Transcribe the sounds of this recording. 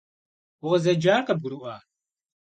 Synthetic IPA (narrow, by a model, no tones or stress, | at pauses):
ʊʁəzɐd͡ʒaːrqəb̚ɡuɾuʔaː